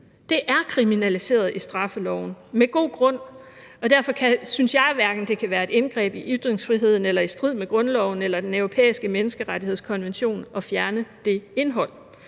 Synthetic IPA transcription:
d̥e̝ʔæɐkʰʁiminælise̝̰ːɐð̞̩ˠʔisd̥ʁɑ̈fəlɒʊn̩meɡ̥o̝̰ːɡ̥ʁɔ̽n̰ | ɒ̽d̥æɐfɒ̽kʰæsynsjɑ̈ɪʋæɐɡ̥n̩d̥e̝kʰæʋæːɐe̝d̥enɡ̥ʁɛ̰ːb̥iʔyd̥ʁeŋsfʁiɦe̝ð̞̰ˠn̩elɐisd̥ʁið̰ˠmeɡ̥ʁɔ̽nlɒʊn̩elɐd̥enœʊʁopʰḛːisɡ̥əmenəsɡ̥əʁaɾie̝ð̰ˠskʰɒ̽nʋenɕo̝̰ːnɒ̽fjæɐnəd̥e̝e̝nɦɒ̽l̰

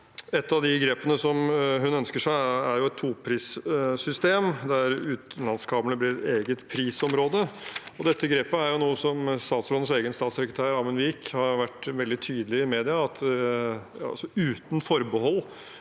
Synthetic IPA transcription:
ɛt̪ːɑʋd̪ɪɡɾeːpənəsɔmɦʉnœnskəʂæɪæɾjʊɛt̪ʰːuːpʰɾiːssʏst̪eːmd̪æɾʉːt̪nlɑnskʰɑːmənəb̪lɪːɾɛt̪eːɡət̪pʰɾiːsɔmɾoːd̪əɔd̪ɛt̪ːəɡɾeːpəæɾjʊnuːəsɔmst̪ɑːt̪sɾoːd̪əseːɡənst̪ɑːt̪sɛkɾət̪ʰæːɾɾɑːmənʋiːkhɑɾʋæʈːʋɛld̪ɪt̪ʰyːd̪əlɪɪmeːd̪ɪɑɑt̪ | ɑ̰sɔʉːt̪n̩fɔɾbəhɔlː

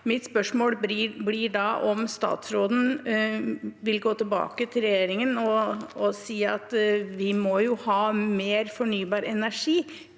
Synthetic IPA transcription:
mɪt̪spœʂmoːlbliɖɑʔɔmst̪ɑ̰ːt̪sɾoːd̪n̩ | ʋɪlɡoːt̪ʰɪlbɑ̰ːkət̪ʰɪlɾjɛjeːɾɪŋənɔɔsiːɑ̰t̪ʋɪmɔjʊhɑːmeːɾfɔɳyːbɑːɾɛnæʂiː

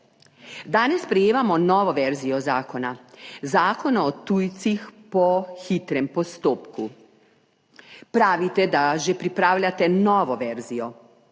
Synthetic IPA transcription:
d̪aːnesːpɾejeːʋamonoʋoʋɛɾzijozaːkonazaːkonaːt̪uːjt̪sixpoxit̪ɾɛmpost̪oːpku | pɾaːʋit̪ɛd̪aʒɛpɾipɾaːwʎat̪enoʋoʋɛɾzijo

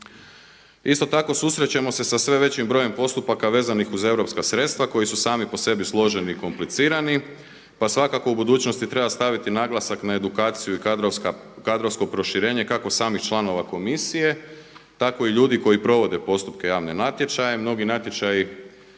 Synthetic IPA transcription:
ist̪ot̪ako̞susɾe̞t͡ɕe̞mo̞se̞sasʋe̞ʋe̞t͡ɕimbɾo̞je̞mpo̞st̪upakaʋe̞ːzanixuze̞ʋɾo̞pskasɾe̞t̪st̪ʋako̞jisusaːmipo̞se̞bislˠo̞ʒe̞niːko̞mplit̪siːɾani | pasʋakako̞ubud̪uːt͡ɕno̞st̪it̪ɾe̞bast̪aʋit̪inaɡlˠasaknae̞d̪ukaːt̪sijui | kad̪ɾo̞ʋsko̞pɾo̞ʃiɾe̞ːɲe̞kako̞saːmixt͡ʃlˠano̞ʋako̞misije̞t̪ako̞iʎuːd̪iko̞jipɾo̞ʋo̞d̪e̞po̞st̪upke̞jaːʋne̞nat̪je̞t͡ʃajemno̞ɡinat̪je̞t͡ʃaji

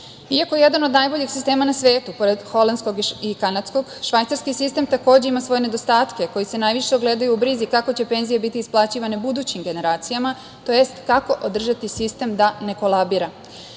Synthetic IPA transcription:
iako̞jeje̞d̪ano̞d̪najbo̞ʎixsist̪e̞ːmanasʋe̞ːt̪upo̞ɾed̪xo̞land̪sko̞ɡikanad̪sko̞ɡʃʋajt̪saɾskisist̪e̞mt̪ako̞ːd͡ʑe̞imasʋo̞je̞ne̞d̪o̞st̪aːt̪ke̞ko̞jise̞naːjʋiʃe̞oɡle̞d̪ajuubɾizikako̞t͡ɕe̞pe̞ːnzije̞bit̪iːsplˠaːt͡ɕiʋanebud̪ut͡ɕimɡe̞ne̞ɾaːt̪sijama | t̪o̞je̞st̪kako̞ʔod̪r̩ʒat̪isist̪e̞md̪ane̞ko̞lˠabiːɾa

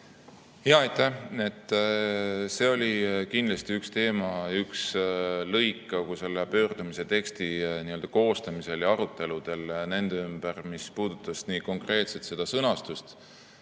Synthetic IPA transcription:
hjɑɑjt̪ˑːæe̞t̪ˑː | se̞ːo̞lʲikind̪lɑst̪iykst̪e̞ːmɑykslɤjkːˑɑkuse̞lːepø̞ːrd̪̥umise̞t̪e̞kst̪iniø̞ld̪̥ɑko̞ːst̪ɑmise̞ljɑɑɾut̪ːˑe̞lud̪̥e̞lne̞nd̪̥eymb̥ermispuːd̪̥ut̪ːˑɑsniːko̞ŋkre̞ːt̪set̪se̞d̪̥ɑsɤnɑst̪ust̪

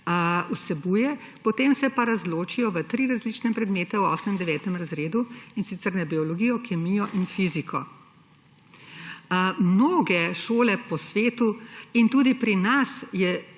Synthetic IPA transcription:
usɛbujɛ | pɔt̪eːmsɛpaɾazloːt͡ʃijɔʋət̪ɾiːɾazlit͡ʃnɛpɾɛd̪meːt̪ɛwɔːsmɛnd̪ɛʋɛːt̪ɛmɾazɾeːd̪uinsit̪sɛɾnɛbiɔlɔɡiːjɔkɛmijɔʔinfizikɔ | mnoːɡɛʃoːlɛpɔsʋeːt̪uint̪uːd̪ipɾinasjɛ

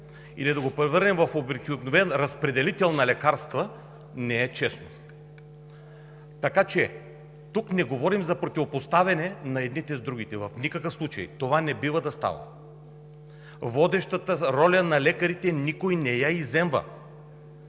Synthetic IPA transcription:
ḭlid̪ɐɡopɾɛvəɾnɛmvɐfobɾɛkʲionovɛnɾɐspɾɛd̪ɛlit̪ɛlˠnɐlɛkaɾst̪və | nɛɛt͡ʃɛsno | t̪ɐkat͡ʃɛ | t̪uknɛɡovɔɾimzɐpɾot̪ivopost̪avɐnɛnɐɛd̪nit̪ɛzd̪ɾuɡit̪ɛvɐfnikəkəfslˠut͡ʃɐ̰ḭt̪ovanɛbivəd̪ɐst̪a̰və̰ | vɔd̪ɛʃt̪ət̪əɾɔlʲɐnɐlɛkɐɾit̪ɛnikojnɛjaizɛmvə̰

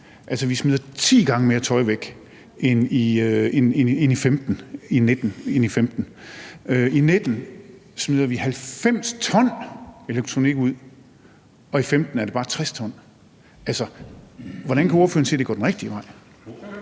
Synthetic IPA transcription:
ʔælsəʋismið̞̰ˠɐt͡sʰḭːɡ̥ɑ̈ŋəme̝ːɐt͡sʰɒ̽ɪʋeɡ̥ | eniøenenenifemd̥n̩ined̥n̩enifemd̥n̩ | øined̥n̩smið̞̰ˠɐʋihælfem̰st͡sʰɒ̽n̰e̝leɡ̥̚t͡sʰʁoniɡ̥uð̰ˠ | ɒ̽ifemd̥n̩æɐɾe̝b̥ɑ̈ːt͡sʰʁɛst͡sʰɒ̽n̰ | ælsə | ʋɒɾ̥ænkʰæo̝ːɐføːɐn̩se̝̰ːd̥eɡ̥ɒ̰ːdenʁɛɡ̥̚d̥iəʋɑ̈ɪ̰

